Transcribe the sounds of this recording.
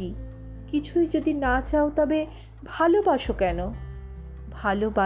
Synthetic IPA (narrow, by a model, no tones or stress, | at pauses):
i | kit͡ɕʰujd͡ʑod̪inat͡ɕaot̪ɔbe | bʱalobaʃokɛno | bʱaloba